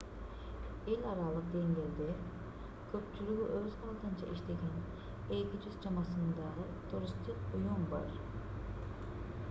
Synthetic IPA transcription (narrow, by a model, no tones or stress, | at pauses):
elʲaɾalˠɯq̚d̪eŋlʲeɾd̪ɛ | kʲʰø̞p̚t͡ʃʰylʲyɡʲyʔøzhalˠt̪ʰɯnt͡ʃʰa̰ʔiʃt̪ʰeɡʲɛn | ekʲid͡ʒyzd͡ʒamasɯnd̪ɑ | t̪ʰuɾist̪ʰikujunba̰ɾ